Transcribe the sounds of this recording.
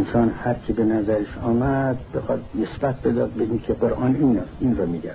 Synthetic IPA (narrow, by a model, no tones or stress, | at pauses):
nsɒːnhæɾkʰebenæzæɾeʃɒːmæd̪bexɒːd̪nesb̥æt̪̚ʰbed̪ɒːd̪̚beinkʰeqoɾʔɑːniːninɾɒmiːɡæ